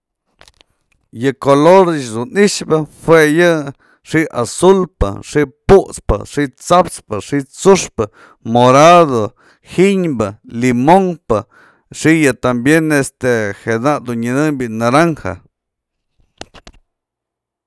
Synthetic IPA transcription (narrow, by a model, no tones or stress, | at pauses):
jɨkoloɾt͡ʃd̪uniʂbɨhwejɨ | ʂiʔʔasulpɨ̰ʂiʔpuʔt͡spɨ̰ʂiʔt͡sapt͡spɨʂiʔt͡suʂpɨ | moɾaðo | hiɲbɨlimoŋpɨ | ʂijɨt̪ambjenest̪ehed̪aʔd̪unɲɨnɨmbiʔnaɾaŋha̰